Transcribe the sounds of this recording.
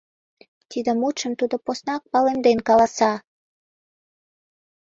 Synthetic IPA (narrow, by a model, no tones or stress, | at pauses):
t̪id̪ə̆mut͡ʃəmt̪ud̪oposnɑk̚pɑlemd̪enkɑlɑsɑ